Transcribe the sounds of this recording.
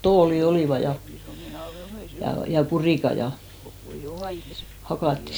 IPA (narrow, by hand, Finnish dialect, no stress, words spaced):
toːli oliˑʋɑ jɑ jɑ kuriˑkɑ jɑ hɑkɑˑtːi